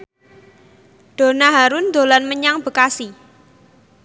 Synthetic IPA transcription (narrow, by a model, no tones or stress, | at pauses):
d̪̥o̤naɦaɾʊnd̪̥o̤lanməɲaŋb̥ə̤kasi